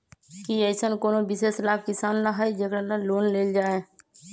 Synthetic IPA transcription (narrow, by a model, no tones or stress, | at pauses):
kiɛsənkoːnobɪseːslaːb̚kɪsaːnɾəɦəd͡ʒekɾanəloːnleːld͡ʒaːe